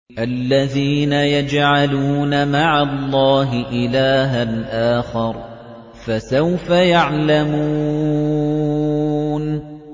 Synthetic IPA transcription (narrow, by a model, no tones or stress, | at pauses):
ʔalːaðiːnajad͡ʒʕaluːnamaʕalˤːɑːɦɪʔɪlaːɦanʔaːxɑɾˤ | fasawfajaʕlamuː | n